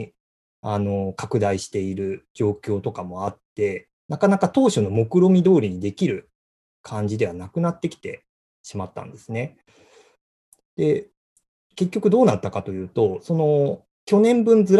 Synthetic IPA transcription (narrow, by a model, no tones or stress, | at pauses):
ano̞kakɯ̟d̪aiɕi̥t̪e̞iɾɯ̟d͡ʑo̞ːkʲo̞ːt̪o̞kamo̞at̪ːe̞ | nakanakat̪o̞ːɕono̞mo̞kɯ̟ɾo̞mʲid̪o̞ːɾʲiɲ̟id̪e̞kʲiɾɯ̟ | kʰãɲ̟d͡ʑid̪e̞βanakɯ̟nat̪ːe̞kʲi̥t̪e̞̰ | ɕimat̪ːã̰nd̪̥e̞sɨne̞ | d̪̥e̞ | ke̞kʲːo̞kɯ̟d̪o̞ːnat̪ːakat̪o̞jɯ̟ːt̪o̞so̞no̞ | kʲo̞nẽ̞mbɯ̟̃nd͡zɨɾ